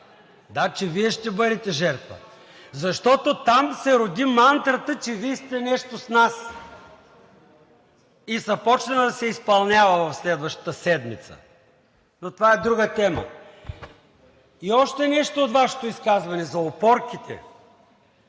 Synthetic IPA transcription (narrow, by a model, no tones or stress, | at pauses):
d̪at͡ʃɛviɛʃt̪ɛbɤɾɛt̪ɛʒɛɾt̪və̰ | zɐʃt̪ɔt̪ot̪amsɛɾod̪imant̪ɾət̪ət͡ʃɛvist̪ɛnɛʃt̪osnas | izɐpɔt͡ʃnɐd̪ɐsɛispɐlˠnʲjavɐvɐfslɛd̪vəʃt̪ə̥t̪əsɛd̪mit̪sə̰ | not̪ovaɛd̪ɾuɡət̪ɛmə̰ | iɔʃt̪ɛnɛʃt̪oːt̪vaʃɛ̥t̪oiskazvɐnɛzɐopɔɾk̟it̪ʰɛ̰